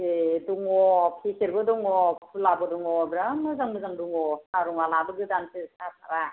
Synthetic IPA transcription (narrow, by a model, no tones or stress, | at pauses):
eduŋɔpʰisiɾbɯdɔŋɔkʰulabɔdɔŋɔbɾamɯzaŋmɯzaŋduŋɔsaɾuŋalabɯɡɯdansʰɯsap̚ʰaɾa